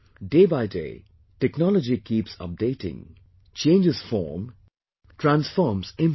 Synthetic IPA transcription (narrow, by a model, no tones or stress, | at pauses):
ɖeːbaɪdḛː | ʈɛknɔləd͡ʒikiːpsʌ̰p̚deɪʈɪ̰̃ŋ | t͡ʃẽːnd͡ʒɪz̥fɔ̰ːɾm | ʈɾæ̃nsfɔːmzɪ̃m